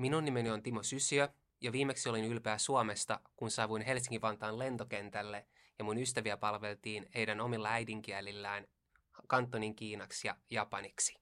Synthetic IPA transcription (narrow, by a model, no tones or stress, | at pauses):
minunːimenio̞nt̪imo̞sysiø | jɑʋiːme̞ksio̞linylpeːsuome̞st̪ɑkunsɑːʋuinɦe̞ls̬iŋkiʋɑnt̪ɑːnle̞nt̪o̞k̟e̞nt̪ælːe | jɑmunyst̪æʋiæpɑlʋe̞lt̪iːnhe̞jdæno̞milːɑæjdiŋk̟iælilːæːn | kɑnt̪ːo̞niŋk̟iːnɑksjɑjɑpɑniksi̥